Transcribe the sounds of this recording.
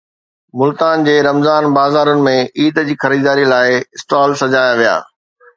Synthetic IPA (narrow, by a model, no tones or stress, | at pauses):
mʊlt̪aːnd͡ʑeːɾɐmzaːnbaːzaːɾʊnɪ̆mẽʔiːd̪d͡ʑiːxɐɾiːd̪aːɾilaːɪɪsʈaːlsɐd͡ʑaːjaʋija̰ː